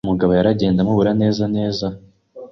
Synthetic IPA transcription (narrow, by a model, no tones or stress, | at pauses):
muɡaβojaɾaɟe̞ːndamuβuɾane̞ːzane̞ːza